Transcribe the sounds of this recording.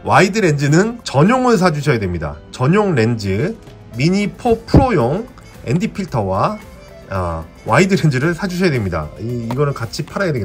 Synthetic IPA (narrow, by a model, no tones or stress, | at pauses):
waidɯɾe̞nd͡ʑinɯnt͡ɕʌɲoŋɯɭs̬ʰad͡ʑuɕʰʌjadwe̞mɲida̰t͡ɕʌɲoŋɾe̞nd͡ʑɯ | miɲipʰopʰuɾojoŋ | e̞ndipʰiɭtʰʌwa | waidɯɾend͡ʑiɾɯɭsʰad͡ʑuɕʰʌjadwe̞mɲida̰iːɡʌnɯɭkat͡ɕʰipʰaɾajadweɡ